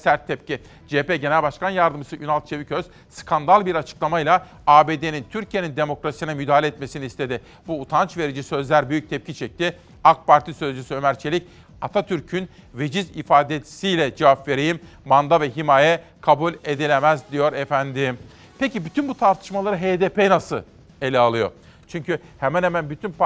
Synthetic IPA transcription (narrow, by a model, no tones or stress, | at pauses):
sæɾt̪ʰːɛpci | d͡ʒepeɟe̞nælʲbaʃkanjaɾd̪ɯmsɯʔynalˠt̪t͡ʃʰevicʰøz̥ | skʰand̪alˠbiɾat͡ʃʰɯ̥klˠamajlˠa | aːbeːd̪enint̪ʰyɾcʰije̞nind̪e̞mo̞kɾasi̥sinɛmyd̪aːalʲeɛt̪me̞siniːst̪ʰe̞d̪ɪ | buːt̪ʰant͡ʃve̞ɾid͡ʒisø̞zlʲæɾbyjyc̚t̪ʰɛp̚cʰit͡ʃʰɛc̚t̪ʰi | ak̚pʰaɾt̪ʰisøzd͡ʒysyø̞mæɾt͡ʃʰelʲic | at̪ʰat̪ʰyɾcʰyn | ve̞d͡ʒizifaːd̪e̥sijlʲɛd͡ʒavapve̞ɾejimː | and̪avɛɦimaːjɛkʰabulʲe̞d̪ilʲemæzd̪ijo̞ɾɛfænd̪ɪm | pʰecibyt̪ʰynbut̪ʰaɾt̪ʰɯ̥ʃmalˠaɾɯɦeːd̪epʰenasɯlˠ | e̞lʲɛalˠɯjo̞̰ɾ | t͡ʃʰyɲcyhemænhemænbyt̪ʰynp